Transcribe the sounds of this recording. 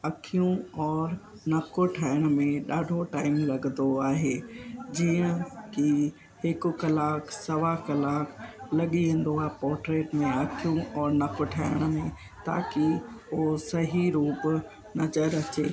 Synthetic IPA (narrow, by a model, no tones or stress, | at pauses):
ɐkʰijũɔːɾ | nɐkʰoʈʰaːɪɽ̃ʊ̆mẽɗaːɖʱoʈaːɪmlɐɠnd̪oaːɦeːd͡ʑiːə̃ki | hɪkʊ̆kɐlaːksɐʋakɐlaːkʰlɐɠiɦẽːn̆d̪oaːɦpɔːɾʈɾeːʈmẽɐkʰijũɔːɾnɐkʰoʈʰaːɪɽ̃ə̆mẽ | t̪a̰ːkiosɐɦiɾuːb | nɐzəɾɐt͡ɕeː